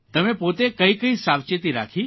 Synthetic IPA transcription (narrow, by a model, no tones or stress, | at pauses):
t̪ɐmẽpoːt̪ekɐikəisaːʋt͡ʃet̪iɾa̰ːkʰi